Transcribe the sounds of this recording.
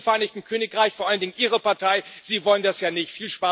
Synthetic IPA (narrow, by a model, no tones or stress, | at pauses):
fɛɐʔaɪnɪçtn̩kʰøːnɪkʁaɪçfoɐaləndɪŋənʔiːʁəpaɐtʰaɪz̥iːvɔləndasjaːnɪçtfiːlʃpaː